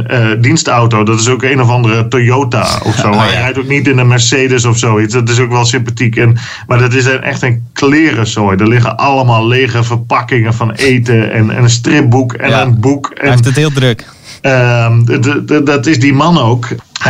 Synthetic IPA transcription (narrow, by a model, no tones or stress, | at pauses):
ədinstawtodɔtɪsoːkeːnɔfɔndərətojoːta̰ɔ̰fsoːɛjrɛjtok̚nitɪndəmɛrseːdəsɔfsoːit͡sdɔt̬ɪs̬okʋɛlˠsɪmpatikɛn | madɔt̬ɪs̬ɛnʔɛ̰xtənkʰlɪərəsojdərlɪɣə̰nʔalˠəmalˠleːɣəfərpakɪŋənfɔneːtəɛ̰nɛ̰nəns̬trɪp̚bukʰɛ̰nənbukɛnthɪlˠdɾək | ə | dɔtɪsdimanoːkh